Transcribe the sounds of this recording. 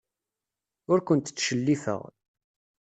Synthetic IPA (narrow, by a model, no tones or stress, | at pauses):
ʊɾkʷənt̪t͡sːʃəlːifə̰ʁ